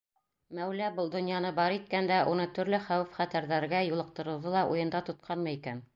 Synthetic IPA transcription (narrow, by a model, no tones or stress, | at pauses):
mæwlæbɤlˠd̪ŏnjɑnɤbɑɾit̪̚kænd̪æʔunɤt̪ɵ̆ɾlɘχæwɘfχæt̪æɾðæɾɡæjulˠɤ̆q̚t̪ɤ̆ɾɤ̆wðolˠɑʔujɤ̆nd̪ɑt̪ŏt̪̚qʰɑnmɤikæn